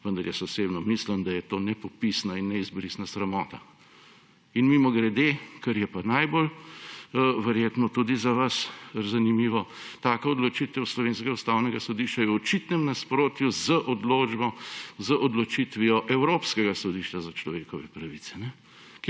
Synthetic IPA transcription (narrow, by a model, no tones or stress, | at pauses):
ʋənd̪ɐɾjɛsɔseːbnɔmisləmd̪ajɛt̪oːnɛpɔpisnainːɛizbɾiːsnasɾɛmɔːt̪a̰ | inmimɔɡɾɛd̪ekɐɾjɛpanajbol | ʋɛɾjeːt̪nɔt̪ud̪izaʋɐszanimiːʋɔt̪aːkɛɔd̪lɔt͡ʃit̪ɛwslɔʋeːnskɡaust̪awnɛɡasɔd̪iʃt͡ʃajɛwɔt͡ʃit̪nɛmnaspɾoːt̪juzəʔɔd̪loːd͡ʒbɔzəʔɔd̪lɔt͡ʃit̪ʋiɔʔɛwɾoːpskɛɡasɔd̪iʃt͡ʃazat͡ʃlɔʋeːkɔʋɛpɾɐʋit̪sɛ̥nɛ | k